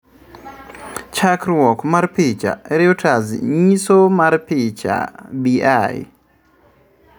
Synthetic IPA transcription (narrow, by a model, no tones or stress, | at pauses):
t͡ʃakɾwɔkmaɾpɪt͡ʃa̰ɛɾɪotʰazɲisomaɾpɪt͡ʃa̰biaj̰